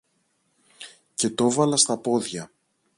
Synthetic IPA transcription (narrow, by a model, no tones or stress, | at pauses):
ce̞t̪o̞vɐlɐst̪ɐpo̞ðʝɐ